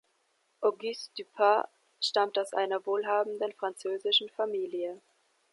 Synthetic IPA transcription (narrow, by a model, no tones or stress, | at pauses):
ʔoɡystypʰa | ʃtamtaʊsʔa̰ɪnɐvoːlɦaːbm̩dənfʁ̥ant͡søːzɪʃn̩famiːljə